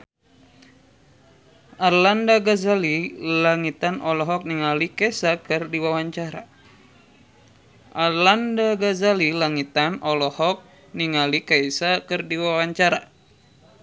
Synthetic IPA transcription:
ʔarlandaɡazalilaŋit̪anɔlɔɦɔk̚niŋalikɛsakɨrdiwawaɲt͡ʃaɾa̰ | ʔarlandaɡazalilaŋit̪anʔɔlɔhɔk̚ | niŋalikaisakɨrdiwawaɲt͡ʃaɾa

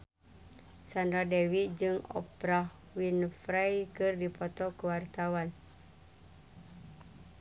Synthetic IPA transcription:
sandɾadɛwid͡ʒɨŋɔ̰pɾah | winfɾajkɨrdipɔt̪ɔkuwart̪awan

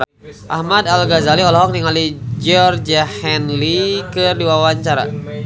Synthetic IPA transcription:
ʔahmadalɡazaliɔlɔɦɔk̚niŋalid͡ʒɔrd͡ʒahɛnlikɨrdiwawaɲt͡ʃaɾa̰

